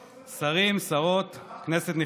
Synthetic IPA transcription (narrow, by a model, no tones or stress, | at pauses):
saʁimsaʁot̪kne̞set̪ni